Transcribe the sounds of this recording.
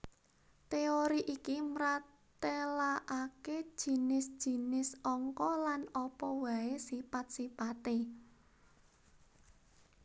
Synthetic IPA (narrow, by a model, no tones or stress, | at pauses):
t̪eoɾiʔikimɾa | t̪elaʔaked̥ʒ̥i̤nɪsd̥ʒ̥i̤nɪsɔŋkɔlanɔpɔwaesipat̪̚sipat̪e